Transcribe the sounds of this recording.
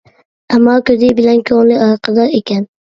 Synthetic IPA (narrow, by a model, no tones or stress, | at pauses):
amːɒːkɵd̪ɪbɪlankʰoŋlɪɑɾqʰɑd̪ɒɾekʲʰan